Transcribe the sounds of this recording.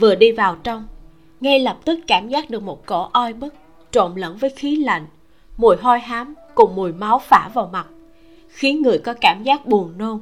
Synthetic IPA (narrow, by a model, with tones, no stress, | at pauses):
vɨ˨˩əɗi˧vaː˨˩wt͡ɕɔ˧wŋ͡m | ŋa˧jlə˨˩p̚t̪ɨ˦˥k̚kaː˧˩mzaː˦˥k̚ɗɨ˨˩ək̚mo˨˩t̚kɔ˧˩˦ʔɔ˧jɓɨ˦˥k̚ | t͡ɕo̰˧˨nlə˧˥nvəː˨˦jxi˨˦la̰˧˨jŋ̟ | mu˨˧˩əjɦɔ˧jɦaː˨˦mkʊ˨˩ŋ͡mmu˨˩əjma˨˦wfaː˧˩vaː˨˩wma˨˩t̚ | xi˨˦ŋɨ˨˩əjkɔ˨˦kaː˧˩mzaː˦˥k̚ɓu˨˩ənno˧n